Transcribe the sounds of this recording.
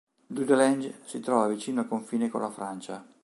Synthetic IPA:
d̪ud̪elɛnd͡ʒsit̪ɾɔːvavit͡ʃiːnoalkoɱfiːneko̰lːafɾant͡ʃa

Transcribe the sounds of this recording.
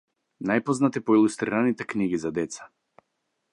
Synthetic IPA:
najpɔznat̪ipɔilˠust̪ɾiɾanit̪ɛkniɡizad̪ɛt̪sḁ

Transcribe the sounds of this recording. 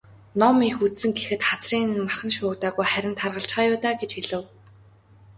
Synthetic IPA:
nɔmixut̪sɘ̆ŋɡexɘ̆t̪χat͡sriːnɘ̆nmaχə̆nʃʊːt̪aːɣujχæɾʲɪ̆nt̪ʰarʁə̆ɬt͡ɕχaːjʊːt̪aːɡet͡ɕxiɮɘ̆w

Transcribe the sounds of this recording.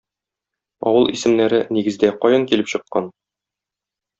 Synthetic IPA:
ɒ̰wɤlˠisɘ̆mnæɾɘniɡɘ̆zd̪æqɒjɤŋkilɘpɕɤ̆qːɑn

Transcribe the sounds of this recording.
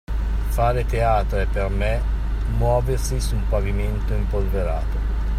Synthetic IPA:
faːɾet̪eaːt̪ɾoɛpːerme | mwɔːversisumpaviment̪oimpolveɾa̰ːt̪o

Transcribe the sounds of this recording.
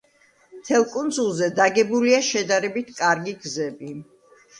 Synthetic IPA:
mt̪ʰɛlˠkʼund̪zulˠzɛd̪aɡɛbuliaʃɛd̪aɾɛbit̪ʰkʼaɾɡiɡzɛbi

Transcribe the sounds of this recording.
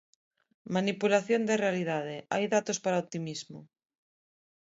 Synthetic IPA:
manipulaθjond̪erealiðaðɪa̰jðat̪ospaɾaop̚t̪imizmʊ

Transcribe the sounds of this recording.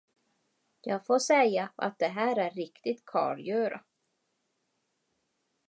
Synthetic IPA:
jɑːɡfoːʂɛjːaʔa̰t̪̚d̪ɛɦæːɾæɾːɪkt̪ɪt̪kʰɑ̰ːɾjœːɾa̰

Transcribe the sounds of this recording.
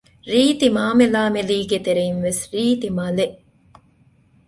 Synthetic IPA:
ɾiːt̪imaːmelaːmeliːɡet̪eɾeinʋesɾiːt̪imɐleʔ

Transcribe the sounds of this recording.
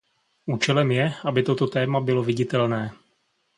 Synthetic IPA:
ʔuːt͡ʃɛlɛmjɛʔabɪt̪o̞t̪o̞t̪ɛːmabɪlo̞vɪɟɪt̪ɛlnɛː

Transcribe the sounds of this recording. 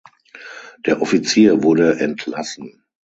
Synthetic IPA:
d̥eːɐʔɔfit͡siːɐvʊɐdəʔɛntʰlasn̩

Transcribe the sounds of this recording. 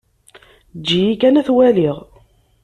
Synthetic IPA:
d͡ʒːijikænæθwæliʁ

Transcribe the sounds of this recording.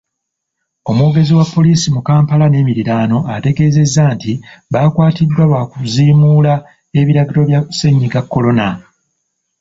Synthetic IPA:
o̞moːɡe̞ziwapːo̞liːsimukaːmpalane̞ːmiɾiɾaːno̞ʔate̞ɡe̞ːze̞zːantiβakwaːtidːwaβakuziːmuːla | e̞βiɾaɡiɾo̞βjase̞ɲːiɡakːo̞lo̞na

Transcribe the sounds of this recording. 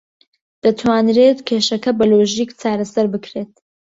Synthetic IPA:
d̪̥ɐt̪ʰwaːnɾeːt̪kʲʰeːʃɐkɐbɐloːʒiːkt͡sʰaːɾɐsɐɾbɨkɾeːt̪̚

